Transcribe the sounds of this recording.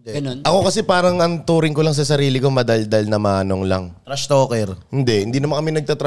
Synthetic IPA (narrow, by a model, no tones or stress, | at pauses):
ɡɐnonʔɐko̞kɐsɛpaːɾɐŋɐŋt̪uːɾɪŋkolɐŋs̬ɐsɐɾiːlɪko̞mɐd̪ɐld̪ɐlnɐmaːno̞ŋlɐ̰ŋt̪ɾɐʃt̪oːkɛɾhɪnd̪ɛʔhɪnd̪iːnɐmankɐmɛnɐɡ̚t̪at̪ɾ